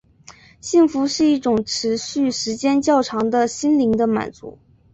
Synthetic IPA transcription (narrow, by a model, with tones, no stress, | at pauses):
ɕi˥˩ŋfu˧˥ʂɻ̩˥˧i˥˩ʈ͡ʂʊ˨˩ŋʈ͡ʂʰɻ̩˧˥ɕy˥˩ʂɻ̩˧˥t͡ɕjɛ˥nt͡ɕjɑ˥˩ʊʈ͡ʂʰɑ˧˥ŋd̪ə˧ɕi˥nli˧˥ŋd̪ə˧ma̰˨˩nt͡sṵ˧˥